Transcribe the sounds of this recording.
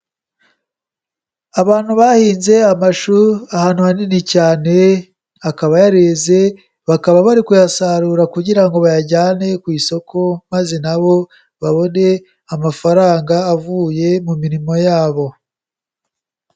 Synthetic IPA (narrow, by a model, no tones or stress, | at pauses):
aβaːn̥huβahiːnze̞amaʃuahaːn̥uhaninicaːne̞ | akaβajaɾeze̞ | βakaβaβaɾikujasaɾuːɾakuɟiɾaŋɡo̞βajaɟaːne̞kwiːso̞kʰo̞mazenaβo̞ | βaβo̞ne̞ | amafaɾaːŋɡaːvuːje̞mumiɾimo̞jaːβo̞